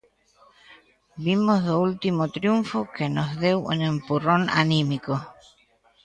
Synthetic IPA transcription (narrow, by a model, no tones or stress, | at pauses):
bimozðoult̪imot̪ɾjuɱfokenozðewunẽmpurona̰nĩmiko